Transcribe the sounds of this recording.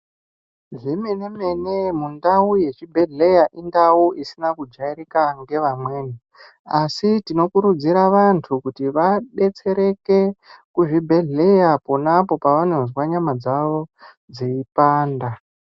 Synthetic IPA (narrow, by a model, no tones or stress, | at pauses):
ʐimene̞me̞ne̞mundauje̞t͡ʃibʱe̞ɮe̞jaʔindawuʔisinakud͡ʒairikaŋɡe̞ʋamwe̞ːni | asitino̞kuɾud͡ziɾaʋantʰukutiʋaɗe̞t͡se̞ɾe̞ke̞kuʐibʱe̞ɮe̞japo̞napo̞paʋano̞zwaɲamad͡zaʋo̞ | d͡ziipaːnda